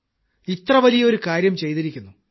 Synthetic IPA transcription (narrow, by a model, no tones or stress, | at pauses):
it̪rɐʋɐlijɐo̞ɾukaːɾjɐmt͡ɕe̞jt̪iɾikʲːunːu